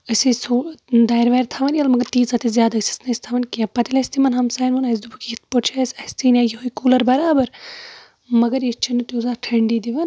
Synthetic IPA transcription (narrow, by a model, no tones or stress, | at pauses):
əsʲisud̪ɐjɾʋɐːɾt̪ʰɐʋɐnjɐlmɐɡɐɾt̪iːt͡sɐt̪izʲjaːd̪aɨsʲi̥snɐsʲt̪ʰɐʋɐnʲkãpɐt̪ilɐsʲt̪imɐnɦɐmsaːjnʋunɐs̬d̪ubukit̪pot͡ʃʰɐsʲɐsʲt̪inʲaːjiɦuikuːlɐɾbɐɾaːbɐɾ | mɐɡɐɾjit͡ʃʰinit̪uzaːʈʰɐɳɖiːd̪iʋɐn